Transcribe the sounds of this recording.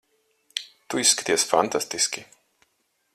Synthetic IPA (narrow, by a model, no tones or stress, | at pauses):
t̪uisːkat̪iɛsfant̪ast̪iskʲi